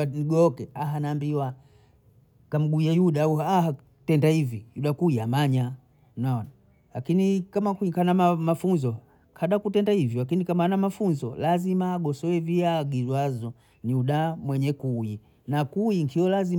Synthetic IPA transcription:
niɡɔɔkɛaɦanaːmbiwa | kam̩ɡuajuɗauaha | tɛndahivijuɗakuiamaɲa | naɔna | lakinikamakukanaamafunzɔ | kʰaɗakutɛndahivjɔlakinikamaanamafunzɔlazimaːɡɔsɔwɛviaɡizwazɔ | niuɗamwɛɲɛkui | nakuiŋkʰiɔlazi

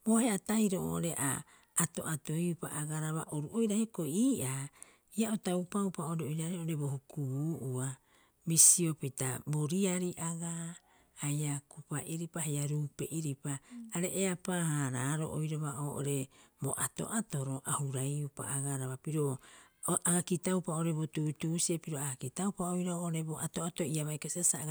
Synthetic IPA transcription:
bohe̞ataiɾoo̰ʔoɾe̞ʔa̰ː | to̞̰ʔato̞jupaʔaɡaɾaβa̰ʔoɾuʔojɾahiokoiːʔa | iaʔotaupaupaoɾeojɾaɾioʔoɾe̞bo̞hukuβuːʔua | misio̞pitaboɾiaɾiʔaɡa | hajakupaʔiɾipahajaɾuːpe̞ʔiɾipaːɾe̞ʔeapahaɾaːɾo̞̰ʔo̰jɾaβaʔoːʔo̰ɾe̞bo̰ʔato̞̰ʔatoɾo̞ʔahuɾajupa̰aɡaɾaβapiɾo | ʔaɡakitawpaoɾebotuːtuːsiepiɾo̞aakitaupaojɾaoʔoɾeboʔato̞atoiaβajkosiasa

